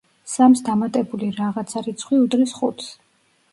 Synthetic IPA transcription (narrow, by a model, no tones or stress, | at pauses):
samsd̪amat̪ʼɛbuliɾaʁat̪sʰaɾit̪sʰχwiud̪lisχṵt̪ʰs